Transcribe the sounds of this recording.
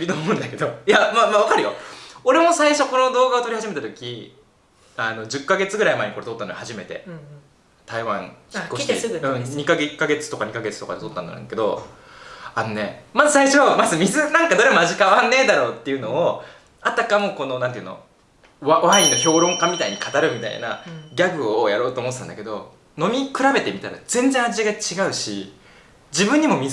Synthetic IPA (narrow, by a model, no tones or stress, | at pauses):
ɾʲit̪oːmõɯ̟̃nd̪ake̞d̪o̞jamamaβakaɾɯ̟jo̞̰o̞ɾe̞mo̞saiɕo̞ko̞no̞d̪o̞ːɡaot̪o̞ɾihaʑime̞t̪at̪okʲi | ano̞d͡ʑɨkːaɡe̞t͡sɨɡɯ̟ɾaimaeɲiko̞ɾe̞t̪o̞t̪ːanohaʑime̞t̪e̞̰ | t̪aiβãɰ̃çikkoɕi̥t̪ɡɯ̃ɲ̟ikaɡekːaɡe̞t͡sɨ̥t̪o̞kaɲ̟ikaɡe̞t͡sɨ̥t̪o̞kad̪et̪o̞t̪ːand̪aɾɯ̰ŋake̞d̪o̞̰ | ano̞ne̞mazɨsaiɕo̞mazɨmʲizɨnãŋkad̪o̞ɾemaʑikaβanːe̞ːd̪aɾo̞ːt̪ːe̞iɯ̟no̞ː | at̪akamoko̞no̞nãnt̪eɯ̟no̰ | βaβainːo̞ço̞ːɾõ̞ŋkamʲit̪aiɲ̟ikat̪aɾɯ̟mʲit̪a̰ḭnaɡʲaɡɯ̟ojaɾo̞ːt̪oːmo̞t̪eːand̪ake̞d̪o̞ | no̞mʲikɯ̟ɾabe̞t̪e̞mʲit̪aɾa̰d͡zẽ̞nd͡zẽ̞aʑiɡat͡ɕiɡaɯ̟ɕi | d͡ʑibɯ̟̃ɲ̟ːimo̞mʲi